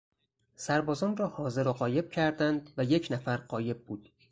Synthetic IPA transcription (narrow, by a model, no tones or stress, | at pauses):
sæɾbɒːzɒːnrɒːhɒːze̞ɾoɢɒːje̞b̥̚cʰæɾd̪ænd̪væje̞cʰnæfæɾɢɒːje̞b̚ːuːd̪̥